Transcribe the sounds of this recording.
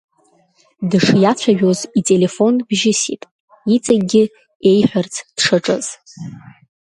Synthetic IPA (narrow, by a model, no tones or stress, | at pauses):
dɨʂjat͡ɕʷʰaʒᶣo̞zitʼe̞le̞fo̞nbʒɪsḭpʼ | it͡sʼaɡʲɪ | e̞jħʷᶣart͡sʰd̥ʂaʈ͡ʂʼɨz̥